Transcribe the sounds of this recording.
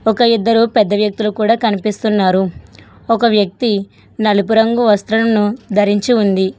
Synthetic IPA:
ɔkɐid̪ːɐɾupɛd̪ːɐʋjɐk̚t̪ulukuːɽaːkɐnipist̪unːaːɾu | ɔkɐʋjɐk̚t̪i | nɐlupuɾɐŋɡuʋɐst̪ɾɐlɐnud̪ʱɐɾiɲt͡ʃiund̪i

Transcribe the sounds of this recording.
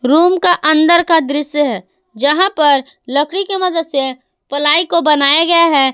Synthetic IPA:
ɾuːmkaʔə̃nd̪əɾkad̪ɾɪsjəɦɛː | d͡ʒɐɦãpɐɾ | lɐkɽikemɐd̪əd̪se | pɐlaːikobɐnaːjaɡɐjaɦɛː

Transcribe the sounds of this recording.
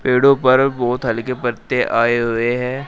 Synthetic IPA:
peːɽõpɐɾbɔːʊt̪ɦɐlkepɐɾt̪eʔaːeɦʊeɦɛ̃ː

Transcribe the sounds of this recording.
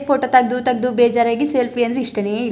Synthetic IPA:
pʰoːʈot̪ɐɡd̪ut̪ɐɡ̚d̪ubɛːd͡ʒaːɾaːɡiselpʰiɐnd̪ɾeiʂʈɐnei

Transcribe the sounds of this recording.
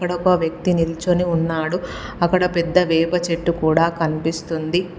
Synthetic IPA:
kːɐɽɐkoʋjɐk̚t̪inilt͡ʃoniunːaːɽuɐkːɐɽɐpɛd̪ːɐʋɛːpɐt͡ʃeʈːukuːɽaːkɐnipist̪und̪i

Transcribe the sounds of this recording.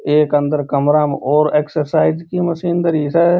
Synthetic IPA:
eːkə̃nd̪əɾkəmɾaːmɔːɾeːksəɾsaːɪd͡ʒkiməsiːnd̪əɾiːsɛː

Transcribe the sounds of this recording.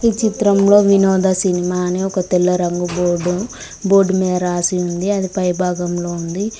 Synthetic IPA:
iːt͡ʃit̪ɾɐmlo̞ːʋinɔːd̪ʱɐsinimaːniɔkɐt̪ɛlːɐɾɐŋɡuboːɖu | boːɾɖmɛːɾaːsiund̪iɐd̪ipɐjbʱaːɡɐmlo̞ːund̪i

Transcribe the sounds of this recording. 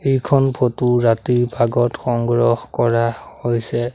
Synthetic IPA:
ejkʰɔnpʰotuɹatiɹbʱaɡɔtxɔŋɡɹɔxkɔɹahojsɛ

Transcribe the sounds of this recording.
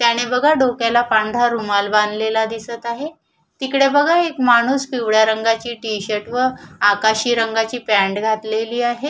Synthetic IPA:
t̪jaɽ̃ebəɡʱaɖokjalapaɳɖʱaɾumalband̪lelad̪isət̪aɦe | t̪ikɽebəɡʱaekmaɽ̃uːsfiʋɽjaɾəŋɡat͡ɕiːʈiɕəʈʋəakaɕiːɾəŋɡat͡ɕiːpæ̃ɳɖɡʱat̪leliːaɦe

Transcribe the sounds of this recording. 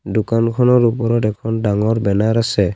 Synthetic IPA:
dukankʰɔnɔɾupɔɾɔtɛkʰɔndaŋɔɾbɛnaɾasɛ

